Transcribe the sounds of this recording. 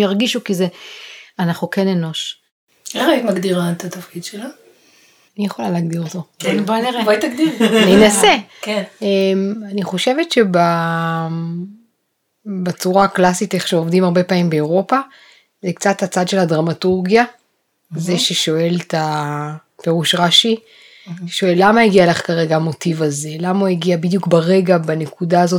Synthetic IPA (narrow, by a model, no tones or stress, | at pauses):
jaʁɡiʃukizeanaχukene̞no̞ʃ | elʁaimaɡd̪iʁat̪at̪afkid̪ʃela | anijeχo̞laleːɡdiʁot̪obaneʁevait̪aɡd̪iʁaninase̞kenemaniχo̞ʃe̞vetʃe̞ba | bet͡suʁaklasiteχʃeovdimhaʁbe̞paimbe̞ːʁo̞pa | zekt͡sathat͡sadʃe̞ladʁamatuʁɡija | zeʃeʃo̞e̞lta | pe̞ʁuʃʁaʃi | ʃo̞elːamajeɡialeχkaʁe̞ɡamo̞tivaze̞lamaueɡiabidjukbaʁe̞ɡabane̞kudaːzo̞t